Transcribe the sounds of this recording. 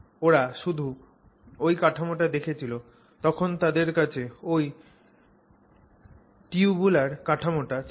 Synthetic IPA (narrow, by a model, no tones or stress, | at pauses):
oɾaʃud̪ʱu | ojkaʈʰamoʈad̪ekʰet͡ɕʰilo | t̪ɔkʰont̪ad̪eɾkat͡ɕʰeoj | ʈiubulaɾkaʈʰamoʈa